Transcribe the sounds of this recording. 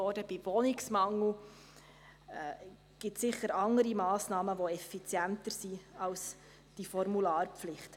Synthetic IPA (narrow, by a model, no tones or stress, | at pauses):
ɔdəb̥iʋonɪksmɑŋl̩ | ɡ̥ɪtsɪχəɾɑŋəɾimɑːsnɑːməʋoɛfit͡sjæntəɾsiɑls | d̥ifɔɾmulɑːrpflɪχt